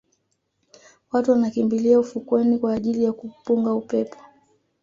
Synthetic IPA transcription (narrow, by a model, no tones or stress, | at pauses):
watuwanakimbiliaufukwɛnikwaːʄilijakupuŋɡaupɛpɔ̥